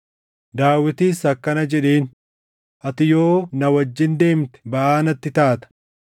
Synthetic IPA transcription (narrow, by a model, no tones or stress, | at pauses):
d̪aːwɪt̪iːsɐkːɐnɐd͡ʒɛᶑeːn | ʔɐt̪ɪjo̞ːnɐwɐd͡ʒːɪnd̪e̞ːmt̪ɛ̥bɐʔaːnɐt̪ːɪt̪aːt̪ɐ̥